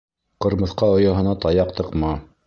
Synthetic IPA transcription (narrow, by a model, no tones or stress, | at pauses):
qɤ̆ɾmɤ̆θqɑŏjɑɦɤ̆nɑt̪ɑjɑqt̪ɤ̆qmɑ